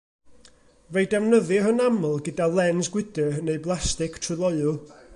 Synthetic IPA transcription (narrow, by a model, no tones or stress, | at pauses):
vejdɛwnəðɨhənamʊlˠɡədalˠɛnsɡwɪdənejblˠastɪkʰtʰrɨlˠɔɨʊlˠ